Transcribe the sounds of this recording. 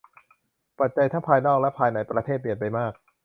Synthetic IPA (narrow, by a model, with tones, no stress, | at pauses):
pa˨˩t̪̚t͡ɕa˧jt̪ʰaː˥˩pʰaː˧jnɔː˥˩k̚lɛ˦˥pʰaː˧jna˩jpɾa˧t̪ʰeː˥˩pi˨˩ənpa˧jmaː˥˩k̚